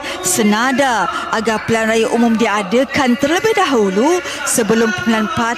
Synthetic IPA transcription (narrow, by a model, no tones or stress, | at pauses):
sənãdaʔaɡapəlanrajaʔumũmdiadəkant̪ərləbɪhdaɦulu | səbəlʊmpəlanpa